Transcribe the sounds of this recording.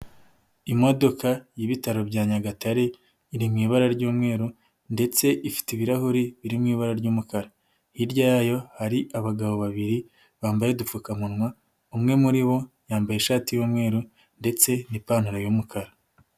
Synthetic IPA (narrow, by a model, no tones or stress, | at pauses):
imo̞do̞kajiβitaɾo̞bɟaːɲaɡataɾe̞ | iɾimŋiːβaɾaɾɟuːmŋe̞ːɾu | nde̞t͡se̞ʔifi̥tiβiɾahuɾiβiɾimŋiːβaɾaɾɟuːmukaɾa | hiɾɟajaːjo̞haɾiʔaβaɡaβo̞βaβiɾi | βaːmbajedufukamunŋwa | umŋe̞muɾiβo̞ | jaːmbajeʃaːtijuːmŋe̞ːɾu | nde̞t͡se̞nipaːnuɾajumukaɾa